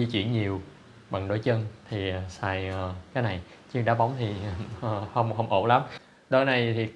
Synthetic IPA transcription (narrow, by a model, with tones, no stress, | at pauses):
i˧t͡ɕwḭ˧˩ənɲi˨˩əw | ɓa̰˨ŋɗo˧˦jt͡ɕə˧nt̪ʰi˨˩˨saː˨˩jəː˨˩kaː˨˦jna˨˩jt͡ɕɨ˧əŋɗaː˨˦ɓa˨˦wŋ͡mt̪ʰi˨˩˨hə˧wŋ͡mhə˧wŋ͡mʔo̰˧˩la˨˦m | ɗo˧˩˦na˨˩jt̪ʰi˨˩